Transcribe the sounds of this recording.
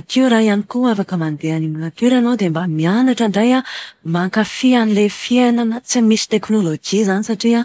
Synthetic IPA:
akʰiuɾaɦianikuafakəmand̪eaniminakuɾanowd̪embamianaʈ͡ʂəɳɖ͡ʐajamaŋkafianilefienanət͡simisi̥t̪eknolod͡ʒizanisaʈ͡ʂia

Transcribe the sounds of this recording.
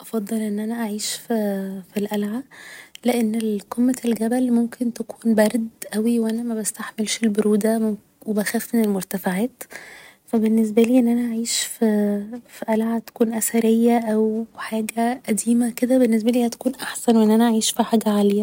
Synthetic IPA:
ʔɑfɑd̪ˤːɑlʔenːʔænæʔaʕiːʃffilʔælʕaleʔenːelqemːælɡæbælmomkʰent̪ækʰuːnbæɾˤd̪ʔæwiwʔænæmæbæst̪aħmelʃelboɾuːd̪æ | webæxæːfmenelmoɾt̪æfaʕæːt̪fæbenːes̬bæliːʔenːʔænæʔaʕiːʃfifiʔælʕat̪æ̥kuːnʔæsæɾejːæʔæwħaːɡæʔæd̪iːmæked̪æbenːes̬bæliːhæt̪æ̥kuːnʔaħsænweʔenːʔænæʔaʕiːʃfiħaːɡæʕaːlejːæ

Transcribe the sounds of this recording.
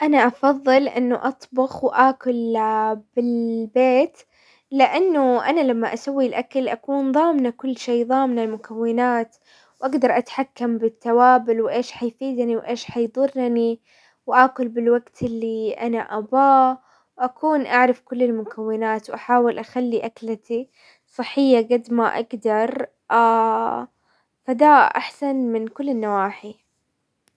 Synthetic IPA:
ʔanaʔɑfɑðˤːɨlʔɪ̰nːʊʔɑt̪ˤbʊxwʔaːkʊlb̥ɪlbeːt̪ | lɪʔanːʊʔanalamːaʔasawːilʔakalʔakuːnðˤɑːmnakʊlːʃeːðˤɑːmnalmʊkawːɪnaːt̪ | wʔaɡd̪ɑɾˤʔat̪ħakːambɪt̪ːawaːbɪlwʔeːʃħajfiːd̪niwʔeːʃħajd̪ˤʊrːni | wʔaːkʊlbɪlwaɡt̪ɪlːiʔa̰naʔabaː | wʔakʰuːnʔaʕɾˤɑfkʊlːɪlmʊkʰawːɪnaːt̪wʔaħaːwɪlʔaxalːiʔaklat̪i | sˤɨħːɪjːaɡad̪maʔa̰ɡd̪ɑɾˤ | ʔa | fad̪aːʔa̰ħsanmɪnkʊlːɪnːawaːħi

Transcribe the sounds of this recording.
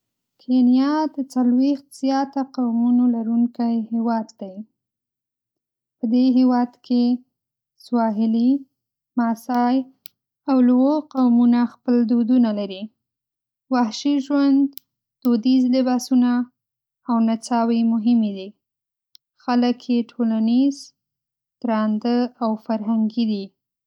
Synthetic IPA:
kʰenijɑd̪ət͡salwext̪z̥jɑt̪aqawmunolaɾuŋkajhewɑd̪ːaj | pəd̪eɦewɑd̪kʰe | swɑɦɪli | mɑsɑj | awlwoqawmunaxpəld̪od̪unalaɾi | wahʃiʒwand̪̥ː | od̪izlɪbɑsunaː | wnat͡sɑwemʊɦɪmed̪i | xaləkʰjeʈʰolaniz | t̪ɾɑnd̪əawfaɾɦaŋɡid̪i

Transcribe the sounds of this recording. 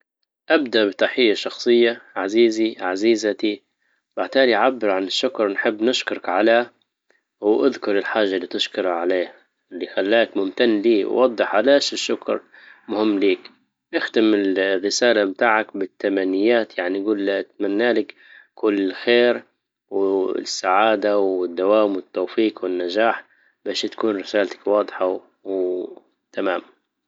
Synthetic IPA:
ʔabd̪aʔbɪt̪aħɪjːaʃɑxsˤɨjːaʕaziːziʕaziːzat̪i | baʕt̪aːliʔʕabːɪɾʕanɪʃːʊkɾˤnħɪbːnɪʃkʊɾˤɑkʕala | wʔaðkʊɾˤɪlħaːʒːalːiːt̪ɪʃkʊɾˤʕaleːh | ɪlːixalːaːkmʊmt̪anːliːwwɑd̪ˤːɨħʕalaːʃɪʃːʊkɾˤ | mʊhɪmːliːk | ʔɪxt̪ɪmɪlrːɪsaːlamt̪aːʕakbɪt̪ːamanːɪjːaːt̪jaʕniɡuːlːat̪manːaːlɪk | kʊlːɪxeːɾ | wsːaʕaːd̪awɪd̪ːawaːmwɪt̪ːoːfiːqwɪnːad͡ʒaːħ | baːʃt̪ḁkuːnɾɪsaːlt̪ḁkwɑːd̪ˤħa | w | t̪amaːm

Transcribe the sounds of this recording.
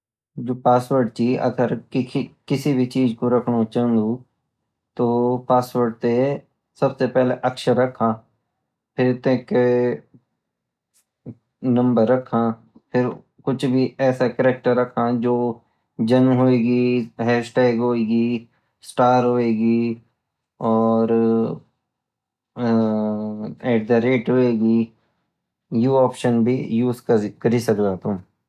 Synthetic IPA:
d͡ʒoːpaːsʋəɾɖ̚t͡ʃiːə̰ɡəɾɪkɪsiːbʱit͡ʃiːd͡ʒkoɾəkʰɽot͡ʃãːnd̪uː | t̪oːpaːsʋəɾɖ̚t̪e | səbseːpɛːleʔəkʃəɾːəkʰãː | pʰɪɾt̪ẽke | nə̃mbəɾːəkʰːãː | pʰɪɾ | kʊt͡ʃʰbʱiɛːsakəɾeːk̚ʈəɾɐkʰãd͡ʒoː | d͡ʒɐnɦoːeːɡiɦɛːsʈɛːɡɦoːeːɡi | sʈaːɾɦoːeːɡi | ɔːɾ | ɛːʈ̚d̪aɾeːʈɦoːeːɡiː | juːɔːpʃənbʱijuːzkəkɐɾisɐkd̪at̪ʊ̃m

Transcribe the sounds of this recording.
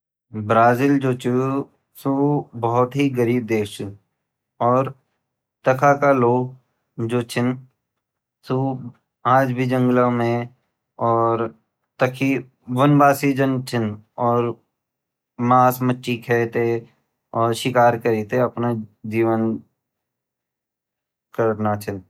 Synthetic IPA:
bɾaːzild͡ʒoːt͡ʃʰu | subɐɦʊt̪ɦiɡəɾiːb̚d̪eːkʰt͡ʃu | ɔːɾ | t̪ɐkʰakaloːɡ | d͡ʒoːt͡ʃʰɪn | su | aːd͡ʒbʱid͡ʒə̃ŋɡlamẽ | ɔːɾ | t̪əkʰi | ʋənbaːsid͡ʒənt͡ʃʰɪnɔːɾ | maːsmətːʃikʰɛːt̪e | ɔːɾʃɪkaːɾkəɾiːt̪eɐpnad͡ʒiːʋən | kəɾnat͡ʃʰɪn

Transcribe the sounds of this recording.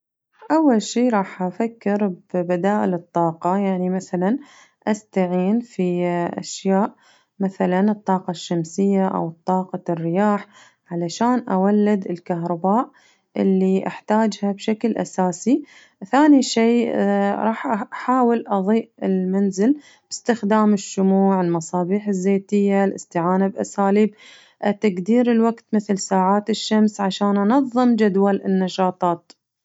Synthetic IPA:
ʔawːalʃiːɾˤɑːħʔafakːɪɾbbad̪aːʔɪlɨt̪ˤːɑːqɑjaʕnimaθalan | ʔast̪aʕiːnfiʔa̰ʃjaːʔ | maθalanɨt̪ˤːɑːqɑʃːamsɪjːaʔa̰wɨt̪ˤːɑːqɑrːɪjaːħ | ʕalaʃaːnʔawalːɪd̪ɪlkahɾˤɑbaːʔ | ʔɪlːiʔa̰ħt̪aːd͡ʒhabʃaklʔa̰saːsi | θaːniʃeːɾˤɑːħʔħaːwɪlʔɑðˤiːʔɪlmanzɪl | b̥ɪst̪ɪxd̪aːmɪʃːʊmuːʕɪlmɑsˤɑːbiːħɪzːeːt̪ɪjːalʔɪ̰st̪ɪʕaːnabʔasaːliːb̚ | ʔt̪aɡd̪iːɾɪlwaɡt̪mɪθlsaːʕaːt̪ɪʃːamsʕaʃaːnʔanɑðˤːɨmd͡ʒad̪walɪnːɑʃɑːt̪ˤɑːt̪

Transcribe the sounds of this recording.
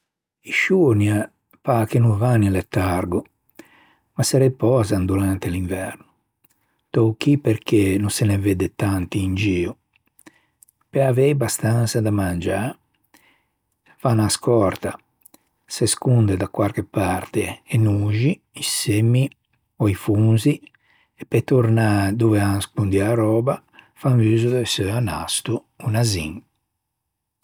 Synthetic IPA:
iʃunja | pakenuvanilet̪ːaɾɡo | masɛɾepɔːzand̪ulant̪eliɱvɛrnʊ | t̪ɔk̟iperkenũnseneved̪et̪ant̪iːnd͡ʒiːu | peavɛjbast̪ant̪sad̪amand͡ʒa | fanaskɔɾt̪a | seskund̪ɛd̪akwaɾkepaɾt̪eːnuːʒi | isemːi | ɔifunzi | ɛpɛt̪uɾnad̪uvɛaskund̪iaɾɔːba | faɱviːzud̪ɛsøana̰st̪uː | nazḭŋ

